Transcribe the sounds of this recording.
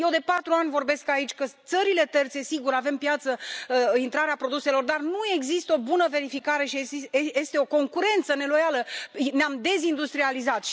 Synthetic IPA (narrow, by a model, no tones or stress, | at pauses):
jewd̪e̞pat̪ɾuanʲvo̞rbe̞skait͡ʃʲkət̪səɾile̞t̪e̞rt̪se̞siɡuɾave̞mpjat̪səint̪ɾaɾeapɾo̞d̪use̞lo̞rd̪arnue̞ɡzist̪əo̞bunəve̞ɾifikaɾe̞ʃieje̞st̪eo̞ko̞ŋkuɾe̞nt̪səne̞lo̞jaləneamd̪e̞zind̪ust̪ɾializat̪ʃ